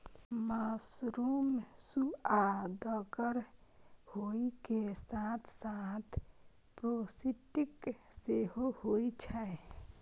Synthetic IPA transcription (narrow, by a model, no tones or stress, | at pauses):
masɾumsuad̪əɡəɾ | hoikesat̪ʰsat̪ʰ | pɾosiʈikseɦohojt͡ʃʰɛ